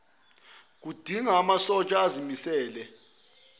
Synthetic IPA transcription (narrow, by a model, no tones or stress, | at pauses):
k̬ʼud̥ʱiŋaːmasɔt͡ʃʼaːzimisɛːlɛ